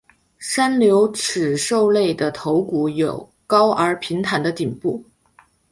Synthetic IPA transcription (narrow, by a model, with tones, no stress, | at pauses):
ʂa˥nljo˧˥ʊʈ͡ʂ̩ʰ˨˩ʂo˥˧ʊle˥˩ɪd̪ə˩t̪ʰo˧˥ʊku˨˩jo˨˩ʊ | kɑ˥ʊʔə˞˧˥pʰi˧˥nt̪ʰa˨˩nd̪ə˦˧t̪i˨˩npu˥˩